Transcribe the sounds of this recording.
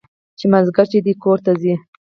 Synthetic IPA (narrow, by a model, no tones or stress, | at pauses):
t͡ʃemazɡaɾt͡ʃed̪ikoɾt̪azi